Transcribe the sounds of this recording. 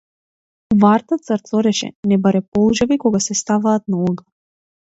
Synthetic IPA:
uvaɾt̪at̪səɾt̪sɔɾɛʃɛ̰nɛbaɾɛpɔlˠʒavikɔɡasɛst̪avaːt̪̚naɔɡa

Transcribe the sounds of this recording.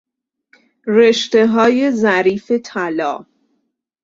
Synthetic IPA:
reʃt̪e̞ɦɒːje̞zæɾiːfe̞t̪ʰælɒ̰ː

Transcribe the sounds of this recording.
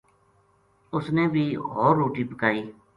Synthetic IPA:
ʊsneːbʱiːɦoːɾːoːʈiːpəkaːiː

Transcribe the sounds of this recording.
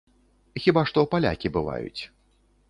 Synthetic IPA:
xʲibaʂt̪ɔpalʲa̰kʲibɨva̰jṵt͡sʲ

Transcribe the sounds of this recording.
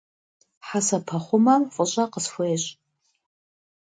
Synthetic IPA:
ħasapʰaχʷʊmɐqʷʼʊɕʷʼaqəsfʷeːɕʼ

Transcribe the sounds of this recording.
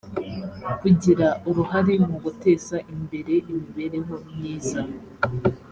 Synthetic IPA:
kuɟiɾaʔuɾuhaɾimuɡute̞ːsaʔimbe̞ɾe̞ʔimiβe̞ɾe̞ɦo̞mɲiːza

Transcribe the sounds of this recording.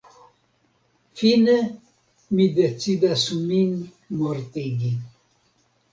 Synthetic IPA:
fine | mid̪et͡sid̪asumin | moɾt̪iɡi

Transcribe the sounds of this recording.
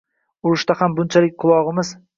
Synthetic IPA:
ʊɾɪʃt̪ahambʊnt͡ʃʰalɪk̚ʲqʰʊlˠɒʁɨmɪz

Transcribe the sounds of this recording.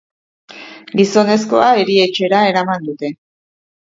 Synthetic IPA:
ɡiso̞ne̞sko̞ae̞ɾie̞t͡ʃe̞ɾae̞ɾamand̪ut̪e̞

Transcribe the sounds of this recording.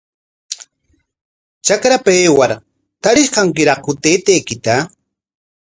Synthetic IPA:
t͡ʃakɾapaeːwaɾ | t̪aɾɪʃkaŋkɪɾɑχhʊt̪eːt̪eːkɪt̪a

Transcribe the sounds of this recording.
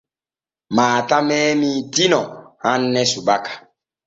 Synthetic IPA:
maːtamɛːmiːtinɔhanːɛsubakḁ

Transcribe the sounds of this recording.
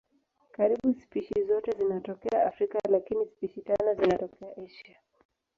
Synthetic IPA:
kaɾiɓuspiʃizɔtɛzinatɔkɛaafɾikalakinispiʃitanɔzinatɔkɛaʔɛʃa

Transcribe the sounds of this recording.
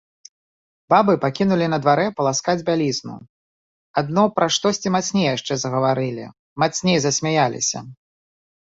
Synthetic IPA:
b̥abɨpakʲinulʲinɐd̪vaɾɛpɐlˠaskad͡zʲbʲalʲiznṵ | ad̪̚nɔpɾaʂt̪ɔsʲt͡sʲimat̪snʲejjaʂt͡ʂɛzɐɣɐvaɾɨlʲḭ | mat̪snʲejzɐsʲmʲajalʲḭsʲɐ̰

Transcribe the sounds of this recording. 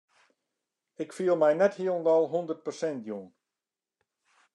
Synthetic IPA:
ɪkfiəlˠmɛjnɛthiəlndɑlˠɦɔndərt̚pərsɛntjun

